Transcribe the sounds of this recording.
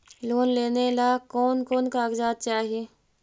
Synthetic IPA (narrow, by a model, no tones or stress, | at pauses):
loːnleːnelakɔːnkɔːnkaːɡd͡ʒaːd̪̚t͡ʃaːɦieː